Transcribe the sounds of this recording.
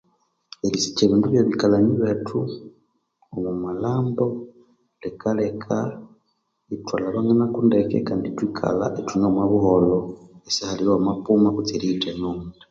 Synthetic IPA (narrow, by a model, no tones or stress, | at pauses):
elisi̥ceβiːnduβjoβikalaɲiβetʰu | omumalaːmbo | lekʰalekʰa | itwalaβaŋenakundekḛkaːnditwikʰa̰la̰ʔetunomwaβuholoesahaliɾwamapumakut͡seɾitenoŋ